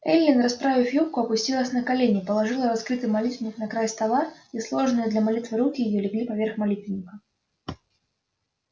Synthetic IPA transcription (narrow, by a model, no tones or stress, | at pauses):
ɛlʲlʲɪnrɐspɾavʲɪfjomkʊɐpʊsʲtʲilˠəsʲnəkɐlʲenʲɪpəlˠɐʐɨlˠəɾɐskɾɨt̪ɨjmɐlʲit̪vʲnʲɪknɐkɾajst̪ɐvarislˠo̞ʐnɨjəd̪lʲɐmalʲit̪vɨɾukʲɪjɪjolʲɪɡlʲipɐvʲerxmɐlʲit̪vʲɪnʲɪkə